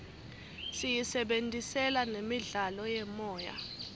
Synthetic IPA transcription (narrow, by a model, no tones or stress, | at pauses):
sijisɛɓentʼisɛlanemiɮalɔjɛmɔːja̰